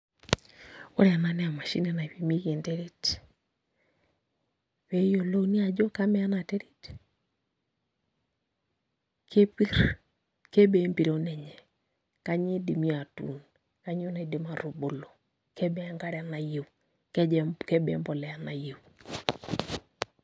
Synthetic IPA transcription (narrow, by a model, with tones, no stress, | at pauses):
o̰˦ɾa˨na˨nɛ˦a˨ma˨ʃḭ˦ne˨na˨i˨pi˨mi˦ke˨nte˦ɾe˦t | we˨˦jo˨lo˦ni˦a˨d͡ʒo˦ka˦mɛ˦a˦na˨te˦ɾi˦t | kʰe˦pi˦ɾ | ke˦be˨˦mpi˨ɾo˦nɛ˨ɲɛ˨ | ka˦ɲe˦di˨mi˦a˨tṵ˨n | ka˦ɲ˦o˦ne˨de˦ma˨ɾo˨bo˨lo˨ | ke˦bɛ˦a˦ŋɡa˦ɾɛ˨a˨na˨je˨ | kke˦bḛ˦mbɔ˨lɛ˨a˨na˨je˨